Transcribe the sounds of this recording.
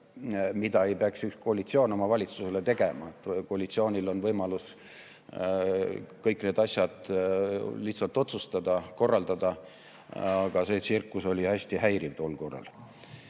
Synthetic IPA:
mid̪̥ɑe̞jpeɑksyksko̞ːɑlit̪sio̞ːno̞mɑvɑlʲit̪suse̞le̞t̪e̞ɡ̥e̞mɑ̰et̪ːko̞ɑlʲit̪sio̞ːnʲilo̞nvɤjmɑlus | kɤjkːne̞ːd̪ɑsʲjɑd̪̥ | liht̪sɑlt̪ːˑo̞t̪sust̪ɑd̪̥ɑko̞rːɑld̪̥ɑd̪̥ɑ | ɑɡ̥ɑse̞ːsirkˑːuso̞lʲiæsʲt̪iɦæjɾivt̪olkorɑ̰l

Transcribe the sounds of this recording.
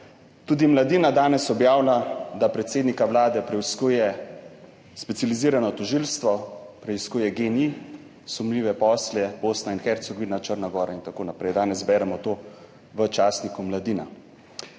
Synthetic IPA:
t̪uːd̪imlad̪iːnad̪aːnɛsɔbjaːwlad̪apɾɛt̪seːd̪nikawlaːd̪ɛpɾɛskuːjɛ | spɛt̪sʲjaliziːɾanɔt̪ɔʒiːlst̪ʋɔpɾɛiskuːjɛɡeni | sumliːʋɛpɔːsljɛboːsnainxɛɾt̪soɡɔʋinat͡ʃəɾnaɡɔːɾaint̪akoːnapɾɛjd̪aːnɛzbɛːɾɛmɔt̪oː | ʋət͡ʃaːsnikumlad̪iːna̰

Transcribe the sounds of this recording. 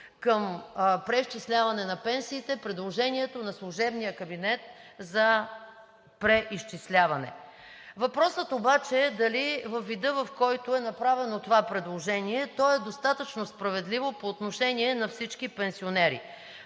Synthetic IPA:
kəmpɾɛiʃt͡ʃislʲavɐnɛnɐpɛnsiːt̪ɛpɾɛd̪lˠoʒɛniɛt̪onɐslˠʊʒɛbnijəkɐbinɛt̪̚zɐ | pɾɛʔiʃt͡ʃislʲavɐnɛ̰ | vɐpɾɔsət̪obat͡ʃɛːd̪ɐlivəfːid̪ɤvɐfkɔjt̪oɛnɐpɾavɛnot̪ovapɾɛd̪lˠoʒɛniɛt̪ɔɛd̪ost̪at̪ət͡ʃnospɾɐvɛd̪livopoːt̪noʃɛniɛnɐfsit͡ʃkipɛnsionɛɾḭ

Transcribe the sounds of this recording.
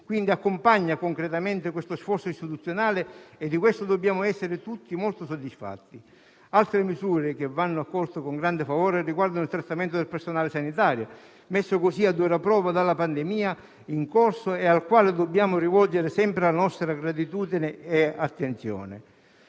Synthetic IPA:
kwind̪iakːʊmpaɲːakoŋkɾet̪ament̪ɪkwest̪osfɔrt̪sʊist̪it̪ut̪sːjonaːlɪed̪ːikwest̪ʊd̪obːjaːmʊɛsːɪɾɪt̪ut̪ːimolt̪ʊsod̪ːisfa̰t̪ːi | alt̪ɾɪmizuːɾɪk̟evːanːʊakːɔlt̪ʊkoŋɡɾand̪ɪfavɔːɾɪriɡward̪anʊilt̪ɾat̪ːament̪ʊd̪elpersonaːlɪsanit̪aːɾjo | mesːʊkosiad̪ːuɾapɾɔːvad̪alːapand̪ɪmiːa | iŋkorsʊealkwaːlɪd̪obːjaːmʊrivɔld͡ʒeɾɪsɛmpɾɪlanɔst̪ɾaɡɾat̪̬it̪uːd̪inɪːat̪ːent̪sjɔ̰ːnɪ̰

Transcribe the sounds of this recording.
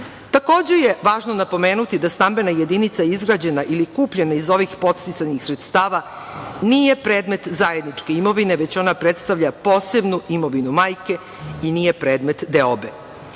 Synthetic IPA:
t̪ako̞ːd͡ʑe̞jeʋaːʒno̞napo̞meːnut̪id̪ast̪ambe̞naje̞d̪init̪saizɡɾad͡ʑe̞naʔilikuːpʎenaizo̞ʋixpo̞t̪st̪isanixsɾet̪st̪aːʋa | nijepɾe̞ːd̪me̞t̪zaje̞d̪nit͡ʂkeimo̞ʋineʋe̞t͡ɕo̞napɾet̪st̪aʋʎapo̞ːse̞bnuimo̞ʋinumaːjke̞ | inijepɾe̞ːd̪me̞t̪d̪eobe

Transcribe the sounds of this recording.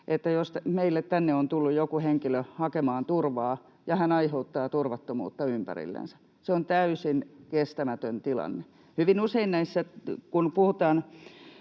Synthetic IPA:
ʔet̪ːæjost̪meilːet̪t̪ænːeont̪ulːujjokuheŋkiløhɑkemɑːnt̪urʋɑː | jɑhænɑiheut̪ːɑːt̪urʋɑt̪ːomṵːt̪ːɑympæ̰rḭlːḛnsæ̥ | seont̪æysinkest̪æmæt̪ønt̪ilɑ̰nːe | hyʋinuseinnæisːækunpuhut̪ɑːn

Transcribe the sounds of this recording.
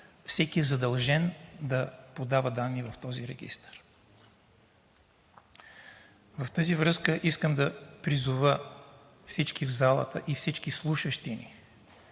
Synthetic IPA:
fsɛkiɛzɐd̪ɐlˠʒɛnd̪ɐpod̪avəd̪anːivɐft̪ɔziɾɛɡʲḭst̪ə̥ɾ | vɐft̪əzivɾɤskəʔiskəmd̪ɐpɾizuvə | fsit͡ʃkivzalˠə̰t̪əʔifsit͡ʃkislˠuʃəʃt̪inḭ

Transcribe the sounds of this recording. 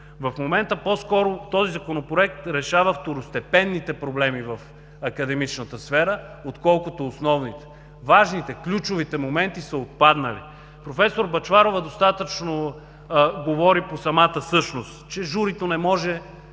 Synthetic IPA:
vɐfmomɛnt̪əpɔskɔɾot̪ɔzizɐkonopɾoɛk̚t̪ɾɛʃavəft̪oɾʊst̪ɛpɛnːit̪ɛpɾoblɛmivɐf | ɐkɐd̪ɛmit͡ʃnət̪əsfɛɾə | ot̪kɔlˠkʊt̪oːsnɔvnit̪ɛ̥ | vaʒnit̪ɛklʲut͡ʃʊvit̪ɛmomɛnt̪isəot̪̚pad̪nəlḭ | pɾofɛsoɾbɐt͡ʃvaɾovəd̪ost̪at̪ət͡ʃno | ɡovɔɾiposɐmat̪əsɤʃnost̪t͡ʃɛʒuɾit̪onɛmɔʒɛ

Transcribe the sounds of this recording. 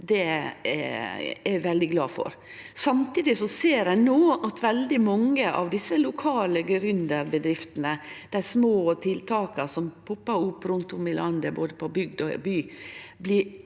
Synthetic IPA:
d̪ɛ̰ | æʋɛld̪ɪɡlɑːfɔ̰ɾ | sɑmt̪iːd̪ɪsɔseːɾæɪnoːɑt̪ʰʋɛld̪ɪmɑŋːəʔɑ̰ʋd̪ɪsːəlʊkʰɑːləɡɾʏnd̪əɾbəd̪ɾɪft̪ənəd̪̥æɪsmoːt̪ʰɪlt̪ʰɑːkəsɔmpʰʊpːɑʊpːɾʊnt̪ʊmɪlʔɑnd̪əboːd̪əpʰɔbʏɡ̚d̪ɔ̰byːblɪ

